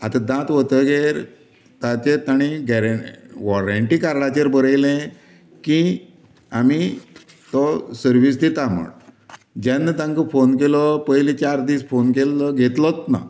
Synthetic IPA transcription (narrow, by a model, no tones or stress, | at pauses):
a̰t̪ãd̪ãt̪ʋət̪əɡeɾ | t̪at͡ɕet̪aɽ̃iɡɛɾʋɔɾaɳʈiːkaɾɭat͡ɕeɾbəɾəjlẽ | ki | ami | t̪ɔsəɾʋiːsd̪it̪amə̰ɽ | d͡ʑɛnːət̪ãŋkəfonkelɔpəɦjlit͡ɕaɾd̪iːsfonkelːɔɡʱet̪lɔt̪na̰